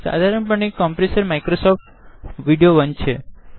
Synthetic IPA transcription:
sa̰d̪ʱaɾəɳpəɳikɔmpɾesəɾmaikɾosɔfʈ | ʋiɖijoʋənt͡ʃʰe

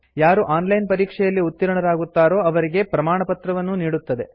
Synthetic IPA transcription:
jaːɾuʔaːnlɐjnpɐɾiːkʂɛjɐlːiut̪ːiɾɐɳɐɾaːɡut̪ːaːɾo̞ːɐʋɐɾiɡe̞pɾɐmaːɳɐpɐt̪ɾɐʋɐnːuniːɽut̪ːɐd̪e̞̰

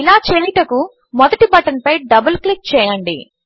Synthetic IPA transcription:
ilaːt͡ʃeːliʈɐku | mɔd̪ɐʈibɐʈɐnpɐjɖɐbɐlklik̚t͡ʃɛːjɐɳɖḭ

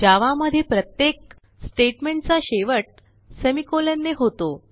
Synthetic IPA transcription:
d͡ʑaʋaməd̪ʱjepɾət̪jek̚ | sʈeʈmeɳʈ̚t͡saɕeʋəʈ̚ | semikolenːeɦot̪o

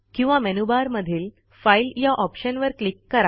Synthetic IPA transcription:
kĩw̃ʋamɛnubaɾməd̪ʱiːl | failjaʔɔpɕənʋəɾklikːəɾa

